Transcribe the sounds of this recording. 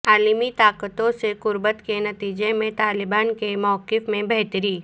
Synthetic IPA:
aːlmit̪aːkət̪õseqʊɾbət̪kenɐt̪iːd͡ʒemẽt̪aːlɪbaːnkemɔːkɪfmẽbɛɦt̪əɾiː

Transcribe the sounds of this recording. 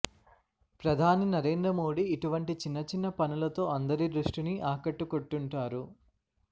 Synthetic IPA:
pɾɐd̪ʱaːninɐɾe̞ːnd̪ɾɐmo̞ːɽiːʈuʋɐɳʈit͡ʃinːɐt͡ʃinːɐpɐnulɐt̪o̞ːɐnd̪ɐɾid̪ɾuʂʈiniʔaːkɐʈːukoʈːuɳʈaːɾu

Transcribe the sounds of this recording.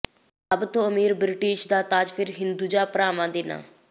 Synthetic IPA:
əbt̪õːəmiːɾbɾɪʈiːʃd̪aːt̪aːd͡ʒpʰɪɾɦɪnd̪uːd͡ʒaːpəɾaːmãːd̪eːna̰ː

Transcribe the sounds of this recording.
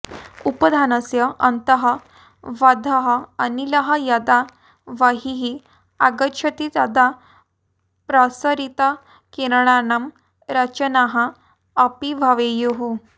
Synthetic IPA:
upəd̪ʱanəsjəənt̪əɦə | ʋad̪ʱəɦəəniləɦajad̪a | ʋaɦiɦi | aɡət͡ɕʰət̪it̪ad̪a | pɾasəɾit̪a | keɾɳ̃anam | ɾat͡ɕənaɦaː | piʋʱaʋejoɦu

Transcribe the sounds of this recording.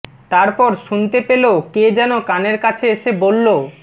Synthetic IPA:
t̪aɾpɔɾʃunt̪epeloked͡ʑɛnokaneɾkat͡ɕʰeeʃebolːo

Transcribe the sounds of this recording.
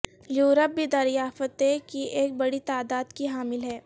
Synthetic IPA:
juːɾəp̚bid̪ɐɾɪjaːfət̪ekiʔeːk̚bɐɽit̪aːd̪aːd̪kiɦaːmɪlɦɛː

